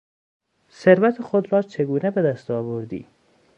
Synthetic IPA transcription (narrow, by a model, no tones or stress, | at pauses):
seɾvæt̪ʰexod̪ɾɒːt͡ʃʰeɡuːnebed̪æst̪ɒːvoɾd̪ḭː